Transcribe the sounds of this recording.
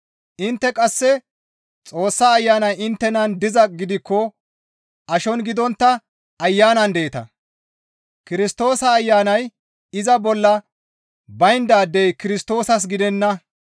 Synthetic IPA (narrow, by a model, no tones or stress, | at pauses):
ʔɪnt̪ːɛkʼɐsːɛ | t͡sʼo̞ːsːaːjːaːnɐjɪnt̪ːɛnɐnd̪ɪzɐɡɪd̪ɪkːɔ | ʔɐʃɔnɡɪd̪ɔnt̪ːɐ | ɐjːaːnɐnd̪e̞ːt̪ɐ̰ | kɪɾɪst̪o̞ːsɐːjːaːnɐj | ɪzɐbɔlːɐ | bɐjnd̪aːd̪ːɛjkɪɾɪst̪o̞ːsɐs̬ɡɪd̪ɛnːɐ